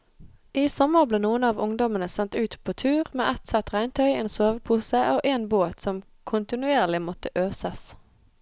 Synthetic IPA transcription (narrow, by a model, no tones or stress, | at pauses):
ʔiːsɔməʁbleːnuːənɑːʋʊŋd̪ɔmənəsɛnt̪ʉːt̪pʰoːt̪ʰʉːʁmḛːʔɛt̪sɛt̪ʁæɪnt̪ʰœʏeːnsoːʋəpʰuːsəʔoːʔeːnboːt̪sɔm | kʰʊnt̪ɪnʉeːʁlɪmɔt̪əʔøːsəs